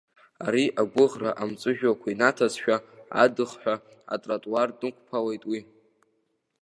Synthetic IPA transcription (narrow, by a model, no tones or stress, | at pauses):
aɾiʔaɡʷʊʁraʔamt͡sʼɨʒᶣwakʷʰainatʰazʃᶣaa̰dɨχħᶣʷa | a̰tʼratʼwardʼɨkʷʰpʰalejtʼwi